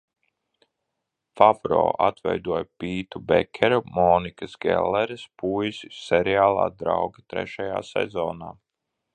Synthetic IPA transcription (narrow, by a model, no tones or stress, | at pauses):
favɾo̰ːʔa̰t̪vɛ̰jd̪uɔjpiːt̪ubɛkʲʰɛɾumɔːnikasɡɛ̰lːɛɾspuːjisisɛɾiaːlˠa̰ːd̪ɾawɡat̪ɾɛ̰ʃaja̰ːsɛ̰zɔːnaː